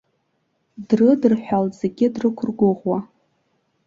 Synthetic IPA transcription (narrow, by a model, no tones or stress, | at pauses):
drɨdɨrħʷᶣalze̞ɡʲɪdrɨkʷʰʊrɡʷʊʁwa